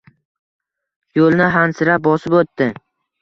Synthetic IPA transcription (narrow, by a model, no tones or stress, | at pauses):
jolˠnɪɦansɪɾap̚bɒsɪpot̪ːɪ